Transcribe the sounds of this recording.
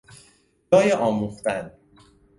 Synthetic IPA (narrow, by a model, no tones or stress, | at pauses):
d͡ʒɒːjeʔɒːmuxt̪æn